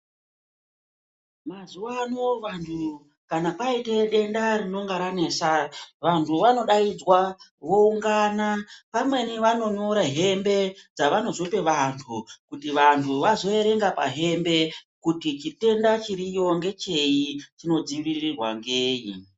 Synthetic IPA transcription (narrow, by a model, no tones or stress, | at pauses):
mazuwanoʋantʰu | kanapaiteɗe̞ndarino̞ŋɡaɾanesaʋantʰuʋano̞ɗaid͡zwawo̞uŋɡaːnapamwe̞niʋano̞ɲoɾaɦe̞mbe̞d͡zaʋano̞zo̞pe̞ʋantʰukutiʋantʰuʋazo̞e̞ɾe̞ŋɡapa̰ɦe̞mbe̞kutit͡ʃite̞ndat͡ʃiɾijoŋɡe̞t͡ʃe̞it͡ʃino̞d͡ziʋirirwa̰ŋɡeːjḭ